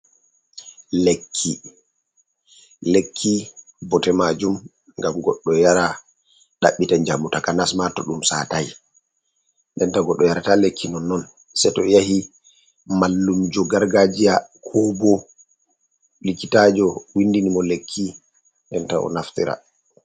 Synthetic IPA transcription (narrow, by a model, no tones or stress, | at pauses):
lekʰːi | lekʰːi | bɔtɛmad͡ʒum | ŋɡamɡɔɗːɔjaɾa | ɗa̰ɓːitaɲd͡ʒamːutakanasmatɔɗumsa̰taj | ndɛntaɡɔɗːɔjaɾatalekʰːinɔnːɔn | sɛtɔjahi | malːumd͡ʒɔɡaɾɡad͡ʒijakʰɔbɔ | likːitad͡ʒɔwindinimɔlekʰːi | nɗɛnta̰ɔ̰naftḭɾa̰